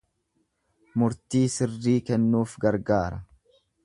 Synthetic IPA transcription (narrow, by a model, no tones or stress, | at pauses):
mʊɾt̪iːsɪrːiːkɛnːuːfɡɐɾɡaːɾɐ